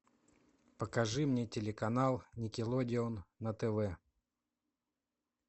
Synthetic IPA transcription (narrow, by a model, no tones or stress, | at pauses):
pəkɐʐɨmnʲetʲɪlʲɪkɐnalˠnʲɪkʲɪlˠodʲɪonːət̪ɛvɛ